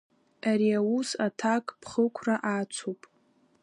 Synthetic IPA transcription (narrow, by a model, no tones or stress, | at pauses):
aɾiawusatʰakʼpʰχəkʷʰraʔat͡sʷʰopʼ